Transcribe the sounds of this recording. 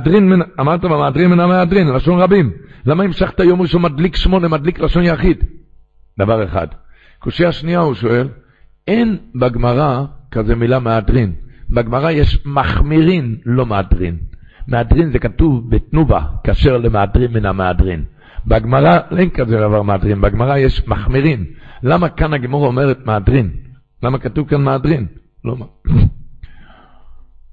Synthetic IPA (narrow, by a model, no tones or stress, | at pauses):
dʁinminaːmaʁt̪abemeadʁinminameadʁinlaʃo̞nʁabimlamaimʃaχt̪ajo̞mʁiʃo̞nmadlikʃmo̞nemadliklaʃo̞njaχid̪ | d̪avaʁeχa̰d̪ | koʃiaʃniauʃo̞e̞l | e̞nbaɡmaʁakaze̞milameadʁinbaɡmaʁajeʃmaχmiʁinlo̞meadʁin | meadʁinzekatuvbetnuva̰kaːʃe̞ʁlemeadʁimminameadʁin | baɡmaʁaʔenkazedavaʁmeadʁinbaɡmaʁajeʃmaχmiʁinlamakanaɡimoʁaome̞ʁetmeadʁin | lamakatuvkanmeadʁin | lo